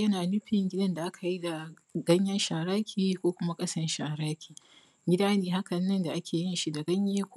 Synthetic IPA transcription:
jɐ˦naː˨nʊ˦ɸɪ˨ŋɡʲɪ˦dɐ˦nda˨ʔa˦kʰa˨ji˦da˨ | ɡɐ˦ɲjɐ˦nʃaː˨ɾaː˦kʲʰiː˦˨kʷoː˦kʷʊ˦ma˦kʼɐ˦sɐ˦nʃaː˨ɾaː˦kʲʰiː˨ | ɡʲɪ˦daː˦neː˨ha˦kʰɐ˨nːɐ˦nda˨ʔa˦kʲʰeː˨jɪ˦nʃi˦da˨ɡɐ˦ɲjeː˦kʷ

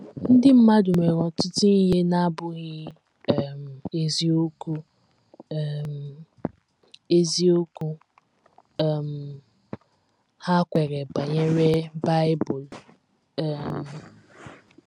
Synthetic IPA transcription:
n̩˦dɪ˦m̩˦ma˦dʊ˨me˨ɾɔ˨tɪ˦ti˦i˦ɦe˦na˦bʊ˦ɣɪ˦˨ | m̩˨e˦zi˦o˦ku˦ | m | e˦zi˦o˦ku˦˨ | m̩˨ | ha˦kʷe˨ɾe˨ɡ͡ba˨ɲe˦ɾe˦ba˦ɪ˦bʊ˨l | m˨

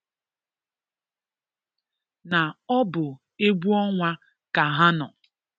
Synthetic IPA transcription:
na˨ɔ˦bʊ˨ | e˦ɡʷu˦ɔ˦ŋʷa˦ | ka˨ɦa˦nɔ̰˨

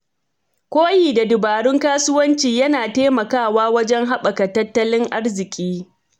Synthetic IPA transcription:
kʷoː˦jiː˨da˨dʊ˨baː˨ɽɪ˦ŋkaː˦sʊ˦wɐ˦nt͡ʃiː˨jɐ˦naː˨teː˦mɐ˨kaː˦˨waː˦wɐ˦d͡ʒɛ˦ŋɦa˦ɓɐ˨kɐ˨tɐ˦tːɐ˦lɪ˦ŋʔa˦ɽzɪ˨kʲʼiː˦

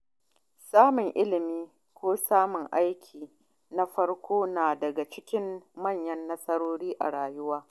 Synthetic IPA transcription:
saː˦mʊ˨ŋʔɪ˦lɪ˨miː˦ | kʷoː˦saː˦mʊ˨ŋʔa˦jkʲʰiː˨ | na˦ɸɐ˦ɽkʷoː˦naː˨dɐ˨ɡa˨t͡ʃɪ˦kʲɪ˦mːɐ˦˨ɲjɐ˦nːɐ˦sɐ˦ɽoː˦ɽiː˦ʔa̰˨ɽaː˨jʊ˦waː˦

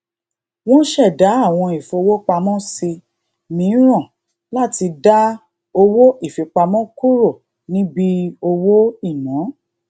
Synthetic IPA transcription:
w̃ɔ̃˦ʃɛ˦˨da˨˦a˦˨w̃ɔ̃˧i˨fo˧wo˦k͡pa˧mɔ̃˦si˧ | mĩ˨˦ɾ̃ã˦˨ | la˦ti˧da˦ | o˧wo˦i˦˨fi˨k͡pa˧mɔ̃˦ku˦ɾo˦˨ | nĩ˦bi˦o˧wo˦i˦˨nã˨˦

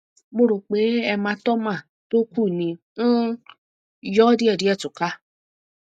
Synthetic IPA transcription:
mo˦ɾo˨k͡pe˦ɛ˧mã˧˦tɔ˦mã˦˨ | to˦ku˦˨nĩ˧˦ | jɔ˦di˦ɛ˦˨di˦ɛ˦˨tu˨ka˦

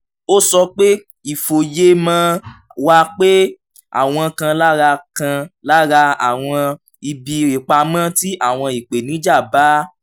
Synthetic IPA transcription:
o˦sɔ˧k͡pe˦ | i˨fo˨je˦mã˦wa˦k͡pe˦ | a̰˦˨w̃ɔ̃˧kã˧la˦ɾa˧kã˧la˦ɾa˧a̰˨w̃ɔ̃˧ | i˧bi˧ɾe˨k͡pa˧mã˦ti˦ʔa˦˨w̃ɔ̃˧i˨k͡pe˨nĩ˨˦d͡ʒa˦˨ba˨˦

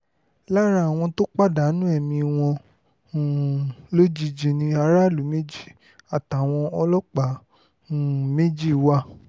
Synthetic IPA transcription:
la˦ɾa˦˨w̃ɔ̃˧to˦k͡pa˦˨da˨˦nũ˦ɛ˦˨mĩ˧w̃ɔ̃˧˨ | lo˦d͡ʒi˦d͡ʒi˨˧˨nĩ˧a˧ɾa˦˨lu˨˦me˦d͡ʒi˦˨ | a˨ta˨w̃ɔ̃˧ɔ˧lɔ˦k͡pa˨˦˨ | me˦d͡ʒi˦˨wa˧

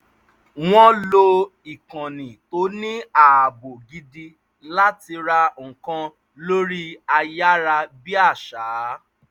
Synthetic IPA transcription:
w̃ɔ̃˦lo˧i˨kã˨nĩ˨to˨˦nĩ˦a˨a˨bo˨ɡi˧di˧ | la˦ti˧ɾa˧ŋ̩˨kã˧ | lo˦ɾi˦a˧ja˦ɾa˧bi˦a˦˨ʃaː˨˦

